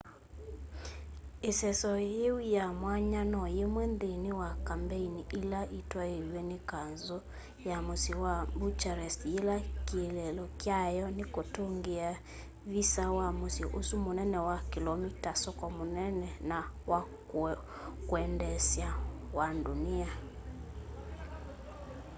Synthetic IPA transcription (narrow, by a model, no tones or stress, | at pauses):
esɛsɔjeijamwaɲanɔjemwɛndenewakambeiniʔelaʔitwaewɛnekanzɔ | jamosiwambut͡ʃaɾɛselakielɛlɔkjajɔnikotoŋɡea | visawamosiʔosumonɛnɛwakilɔmitasɔkɔmonɛnɛnawa | kwɛndɛsjawandunia